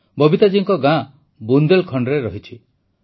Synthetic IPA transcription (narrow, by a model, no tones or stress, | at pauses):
bɔbit̪ad͡ʒiŋkɔɡã | bund̪elkʰɔɳɖɾeɾɔɦit͡ʃʰi